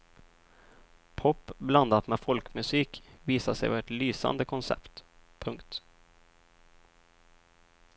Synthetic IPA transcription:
pʰɔpːbland̪at̪mɛfɔlkmɵsiːkviːsaʂɛ̰jvɑːɛt̪lyːsa̰nd̪əkʰɔnsɛ̰pt̪pʰɵŋkt̪

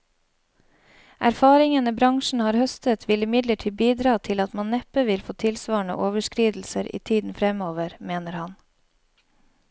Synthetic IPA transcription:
ʔæɾfɑːɾɪŋənəbɾɑŋʃɳ̩hɑːɾhœst̪ət̪ʰʋɪlɪmɪd̪ləʈʰiːbiːd̪ɾɑːt̪ʰɪlɑt̪mɑnnɛpəʋɪlfoːt̪ʰɪlsʋɑːɳə̰ʔoːʋəʃkɾiːd̪l̩səɾʔḭːt̪ʰiːd̪n̩fɾɛmoːʋəɾmeːnəɾhɑn

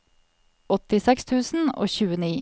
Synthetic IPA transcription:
ɔt̪ɪsɛkst̪ʰʉːsn̩o̰ːçʉːəniː

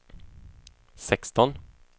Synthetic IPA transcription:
sɛkst̪ɔn

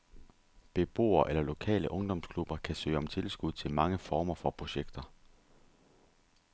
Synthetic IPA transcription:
b̥e̝b̥o̝̰ːɐʔelɐlo̝kʰɛ̰ːləʔɔ̽ŋd̥ɒ̽mskʰlub̥ɐkʰæsø̰ːɒ̽mt͡sʰe̝lsɡ̥uð̰ˠt͡sʰe̝lmɑ̈ŋəfɒːmɐfɒ̽pʰʁo̝ɕeɡ̥d̥ɐ

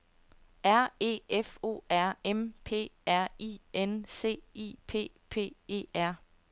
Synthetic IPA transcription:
æɐ̰e̝̰ːefo̝̰ːæɐ̰empʰe̝̰ːæɐ̰iːense̝̰ːḭːpʰe̝̰ː | pʰe̝̰ːe̝̰ːæɐ̰

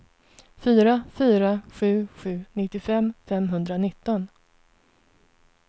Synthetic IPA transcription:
fyːɾafyːɾaɧʉ̟ːɧʉ̟ːnɪt̪ːɪfɛmːfɛmɦɵnd̪ɾanɪt̪ːɔn

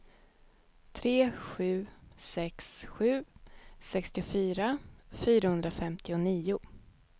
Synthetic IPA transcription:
t̪ʰɾeːɧʉ̟ːsɛksɧʉ̟ːsɛkst̪ɪʊfyːɾafyːɾahɵnd̪ɾafɛmt̪ʰɪʊniːʊ

